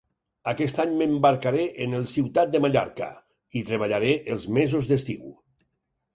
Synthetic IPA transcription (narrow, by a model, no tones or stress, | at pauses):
akɛst̪aɲməmbaɾkaɾeʔenəlˠsiwt̪at̪̚d̪əmaʎa̰ɾka̰ | it̪ɾeβ̞aʎaɾeʔəlˠzmezuzðəst̪iw